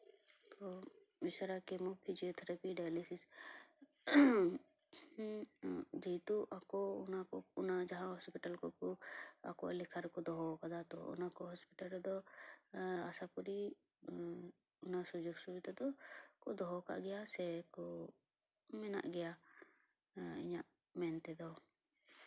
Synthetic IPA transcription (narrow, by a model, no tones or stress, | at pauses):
tɔ | misɾakɛmɔpʰid͡ʒijɔt̪ʰɛɾapiɖajlisis | d͡ʒit̪uʔakɔʊnakɔunad͡ʒaɦãɦɔspiʈalkɔkɔa̰kɔʔalikʰaɾɛkɔd̪ɔɦɔkad̪at̪ɔ̰ɔ̰nakɔɦɔspiʈalɾd̪ɔ | asakɔɾi | ɔnasud͡ʒoɡsubid̪ad̪ɔkɔʔd̪ɔɦɔka̰ʔɡɛjasɛkɔ | mɛna̰ʔɡɛja | ḭɲaʔ | mɛnt̪ɛd̪ɔ